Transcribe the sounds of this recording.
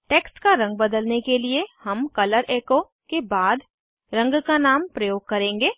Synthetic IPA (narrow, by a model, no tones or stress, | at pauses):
ʈeːksʈkaɾɐ̃ŋɡ̚bɐd̪əlnekeliehɐmkɐləɾʔeːko | kebaːd̪ | ɾɐ̃ŋɡkanaːmpɾɐjoːɡ̚kɐɾẽːŋɡeː